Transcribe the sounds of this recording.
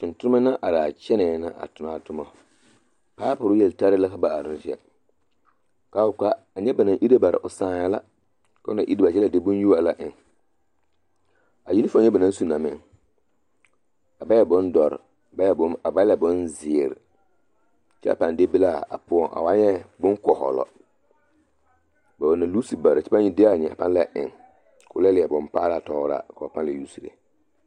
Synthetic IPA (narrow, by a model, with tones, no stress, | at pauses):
tʊ˨ntʊ˦ma˦na˦ʔa˨daː˨t͡ʃɛ˦nɛ˨na̰˦ʔa̰˨tʊ˨na˦˨tʊ˦mɔ˦ | paː˦pʊ˨ɾʊ˦jɛ˨lta˦ɾɪ˦la˦ka˦ba˨a˨ɾɪ˨n˦ʃɛ̰˨ | ka˦ʊ˨ka˦ | a˨ɲɛ˦ba˨na˨nʔi˦ɾe˦ba˨ɾɪ̰˨ʔʊ˨sãː˦a˦la̰˦ | ka˦ʊ˦nã̰˨ʔi˦di˦ba˨t͡ʃɛ˦la˦˨de˦bʊ˦n˦ju˦a˨la˦ʔɪ˨ŋ | a̰˨ji˦ni˦fɲɛ˦ba˨nã˨˦n˦su˦na˨mɪ̰˦˨ŋ | a˨ba˦ɛ˦˨bʊ̃˦n˦dɔ˨ɾ̰ | ba˦bʊ˦a˨ba˦a˨bʊ̃˦nzɪ˨e˨ɾɪ˨ | t͡ʃɛ˦a̰˨pã˨n˨de˦be˦la˦˨a̰˨pʊ˦ɔ˨ʔa̰˨wa˨˦ɲɛ˦bʊ̃˦ŋ˦kɔ˨hɔ̰˨lɔ̰˨ | ba˨wa˨nã˨luː˦si˨ba˨ɾa˨t͡ʃɪ˦pa˦ɲi˦dɪ˦a˦˨ɲɛ˨a̰˨pã˦n˦la˦ʔɪ̰̃˨ŋ | kʊ˨˦lɛ˦lɪ˨a˨bʊ̃˨mpaː˦la˦˨tɔː˦ɾa̰˦kɔ˨a˨pã˦nla˨ju˦si˨ɾḛ˨